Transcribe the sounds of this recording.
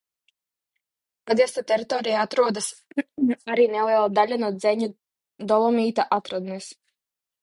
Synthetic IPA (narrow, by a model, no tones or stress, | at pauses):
pad̪iɛst̪at̪ʲɛɾit̪ɔːɾijaat̪ɾuɔd̪as | aɾiːnɛlˠiɛlˠad̪alʲanuɔd̪zɛɲu | d̪ɔlˠɔmʲiːt̪aʔat̪ɾad̪ns